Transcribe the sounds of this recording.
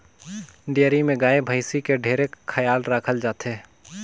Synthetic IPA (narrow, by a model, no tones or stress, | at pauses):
ɖijəɾimẽɡaːebʱəɪsikeɖʱeːɾekkʰːəjaːlɾaːkʰəld͡ʒaːt̪e